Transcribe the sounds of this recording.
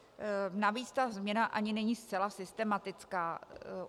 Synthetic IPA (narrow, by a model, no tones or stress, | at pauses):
naviːt͡st̪azmɲɛnaʔaɲɪnɛɲiːst͡sɛlasɪst̪ɛmat̪ɪt͡skaː